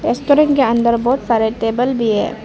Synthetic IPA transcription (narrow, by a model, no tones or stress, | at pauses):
eːsʈoːɾɪ̃ŋkeə̃nd̪əɾbɔːt̪saːɾeʈeːbəlbʱiɦɛ̰̃ː